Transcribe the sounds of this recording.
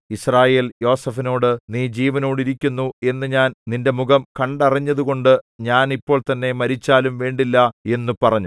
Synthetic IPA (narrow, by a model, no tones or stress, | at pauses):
israːje̞ːljo̞ːsɐfino̞ːɽɨniːd͡ʑiːʋɐno̞ːɽiɾikʲːunːue̞nːɨɲaːnninde̞muɣɐmkɐɳɖɐriɲːɐðuɣo̞ɳɖɨɲaːnipːo̞ːɭt̪ɐnːe̞mɐɾit͡ɕːaːlumʋe̞ːɳɖilːɐe̞nːupɐrɐɲːu